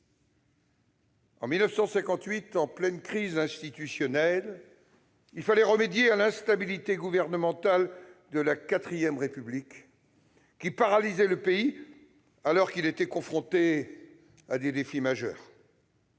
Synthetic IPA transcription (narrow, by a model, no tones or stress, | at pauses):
ɑ̰̃milnəfsɑ̃sɛ̃kɑ̃t̪ɥit̪ɑ̃plɛnkχizɛ̃st̪it̪ysjɔnɛl | ilfalɛʁəmed̪jealɛ̃st̪abilit̪eɡuvɛʁnəmɑ̃t̪ald̪əlakat̪χijɛmʁepyblikʲː | ipaʁalizɛləpei | alɔʁkilet̪ɛkɔ̃fχɔ̃t̪e | ad̪ed̪efimaʒœ̰ːʁ